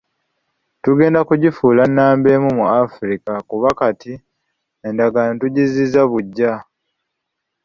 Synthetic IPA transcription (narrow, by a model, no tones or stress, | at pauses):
tuɡe̞ːndakuɟifuːlanːaːmbe̞ːmumuafɾikakuβakati | endaɡanotuɟizizaβuɟːa